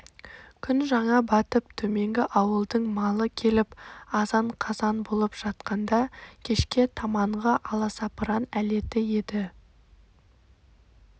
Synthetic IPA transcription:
kʲʰʏnʒɑɴɑbɑt̪əp̚t̪ʰɵme̞ŋɡʲɪʔɑwəlˠd̪əɴmɑlˠəkʲʰe̞lɪpɑzɑɴqʰɑzɑnbo̞lˠəpʒ̥ɑt̪qɑnd̪ɑkʲʰe̞ʃkʲe̞t̪ʰɑmɑɴʁɑʔɑlˠɑsɑpəɾɑnæle̞t̪ɪje̞d̪ɪ

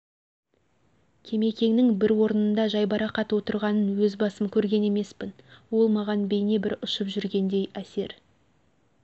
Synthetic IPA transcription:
kʲʰe̞me̞kʲe̞ŋnɪŋbɪɾwo̞ɾənənd̪ɑʒɑjbɑɾɑqʰɑt̪wo̞t̪əɾʁɑnənwɵzbɑsəmkʲʰɵɾɡʲe̞ne̞me̞spɪnwo̞lˠmɑʁɑnbe̞jne̞bɪɾʊʃəpʒʏɾɡʲe̞nd̪e̞jæse̞ɾ

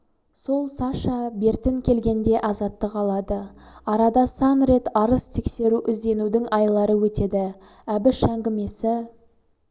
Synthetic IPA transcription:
so̞lˠsɑʃɑbe̞ɾt̪ɪŋkʲʰe̞lɡʲe̞nd̪e̞ʔɑzɑt̪ːəqɑlˠɑd̪əɑɾɑd̪ɑsɑnɾe̞t̪ɑɾəzt̪ʰe̞kse̞ɾuʔɪzd̪e̞nud̪ɪŋɑjlˠɑɾəwɵt̪e̞d̪ɪæbɪʃæŋɡʲɪme̞sɪ

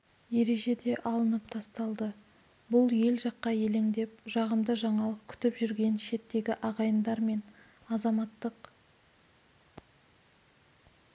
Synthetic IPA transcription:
je̞ɾe̞ʒe̞d̪e̞ʔɑlˠənəp̚t̪ʰɑst̪ɑlˠd̪ə | bʊlˠje̞lʒɑqːɑje̞leŋd̪e̞p̚ʒɑʁəmd̪əʒɑɴɑlˠəq̚kʲʰʏ̥t̪ɪpʒʏɾɡʲe̞nʃe̞t̪ːe̞ɡʲɪʔɑʁɑjənd̪ɑɾme̞n | ɑzɑmɑt̪ːəq

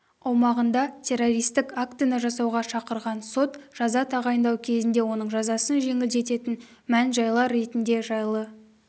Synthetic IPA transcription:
ɑwmɑʁənd̪ɑt̪ʲʰe̞rːo̞ɾijst̪ɪkakt̪ɨjnəʒɑsɑwʁɑʃɑqəɾʁɑnso̞t̪ʒ̥ɑzɑt̪ʰɑʁɑjənd̪ɑwkʲʰe̞zɪnd̪e̞wo̞nəɴʒɑzɑsənʒe̞ŋɪld̪e̞t̪e̞t̪ɪn | mænʒɑjlˠɑɾːe̞t̪ɪnd̪e̞ʒɑjlˠə

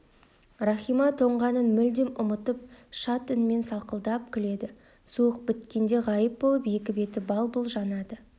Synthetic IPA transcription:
rɑχijmɑt̪ʰo̞ɴʁɑnənmʏld̪ɪmʊmət̪əp̚ʃɑt̪ʏnme̞nsɑlˠqəlˠd̪ɑp̚kʲʰɪle̞d̪ɪ | suəq̚bɪt̪kʲe̞nd̪e̞ʁɑjəp̚bo̞lˠəpje̞kʲɪbe̞t̪ɪbɑlˠbʊlˠʒɑnɑd̪ə

